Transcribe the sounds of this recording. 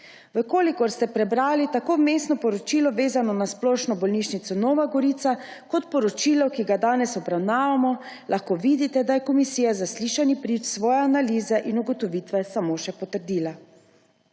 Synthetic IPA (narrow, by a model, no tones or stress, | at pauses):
ʋəkoːlikɔɾst̪ɛpɾɛbɾaːlit̪akoːmeːsnɔpɔɾɔt͡ʃiːlɔʋeːzanɔnasplɔːʃnɔbɔlniʃnit̪sɔnɔːʋaɡɔɾiːt̪sa | kɔt̪pɔɾɔt͡ʃiːlɔwkiɡad̪aːnɛsɔbɾawnaːʋamɔ | lʔaxkoːʋiːd̪it̪ɛd̪ajɛkɔmisiːjazasliːʃanipɾit͡ʃsʋɔːjɛanaliːzɛʔinuɡɔt̪ɔʋiːt̪ʋɛsamoːʃɛpɔt̪əɾd̪iːla